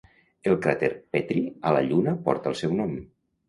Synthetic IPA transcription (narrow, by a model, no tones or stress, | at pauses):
elˠkɾat̪eɾpɛt̪ɾiala̰ʎunəpɔ̰ɾt̪əlˠsɛwnɔm